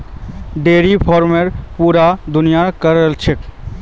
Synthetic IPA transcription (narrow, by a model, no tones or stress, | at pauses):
ɖeːɾipʰɔːɾmeɾpuːɾad̪ʊnijakəɾəlt͡ʃʰɪk